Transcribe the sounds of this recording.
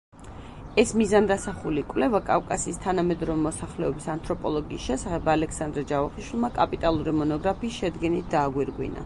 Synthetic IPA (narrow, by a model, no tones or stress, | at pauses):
ɛsmizand̪asaχulikʼwvlɛvakʼavkʼasiːst̪ʰanamɛd̪ɾɔvɛmɔsaχlɛɔbisant̪ʰʼɾɔpʼɔlˠɔɡḭːsʃɛsaχɛbalɛkʰsand̪ɾad͡ʒavaχiʃwilˠmakʼapʼit̪ʼalˠuɾimɔnɔɡɾapʰiːsʃɛd̪ɡɛnit̪̚ʰd̪aːɡwiɾɡwḭna̰